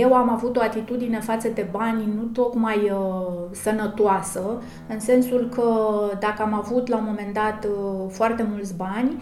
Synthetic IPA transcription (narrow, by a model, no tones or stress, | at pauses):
je̞wamavut̪o̞at̪it̪ud̪ine̞fat̪səd̪e̞banʲnut̪o̞kmaj | sənət̪oasə | ɨnse̞nsulkʰəd̪akəamavut̪lamo̞me̞nd̪at̪foart̪e̞mult̪sʲbanʲ